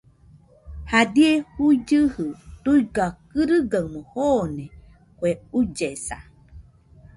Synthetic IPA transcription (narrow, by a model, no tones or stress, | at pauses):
hadiehuid͡ʒɨhɨt̪uiɡakɨɾɨɡawmohone | kʷeud͡ʒesa̰